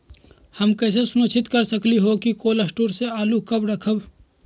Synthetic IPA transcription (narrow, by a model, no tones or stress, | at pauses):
hɐmkɛːs̬esʊnot͡ʃʰɪt̪kɐɾsɐkliɦokikoːlɐsʈuːɾseaːlukɐbɾɐkʰəb